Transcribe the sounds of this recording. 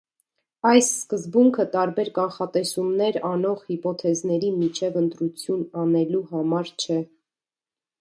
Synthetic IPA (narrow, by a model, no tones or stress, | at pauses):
ɑjsːkəzbuŋkʰət̪ɑɾbɛɾkɑnχɑt̪ɛsumnɛɾɑnɔʁhipɔt̪ʰɛznɛɾimit͡ʃʰɛvənt̪ɾut͡sʰjunɑnɛluhɑmɑɾt͡ʃʰɛ